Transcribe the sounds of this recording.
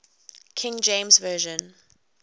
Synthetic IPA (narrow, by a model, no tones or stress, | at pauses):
kʰɪ̃ŋd͡ʒẽmzvɜːʒə̃n